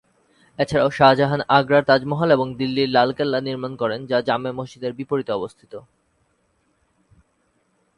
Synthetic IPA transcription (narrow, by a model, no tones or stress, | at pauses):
et͡ɕʰaɾaoʃad͡ʑaɦanaɡɾaɾt̪ad͡ʑmɔɦaleboŋd̪ilːiɾlalkelːaniɾmankɔɾend͡ʑad͡ʑamemoʃd͡ʑid̪eɾbipoɾit̪oɔbost̪ʰit̪o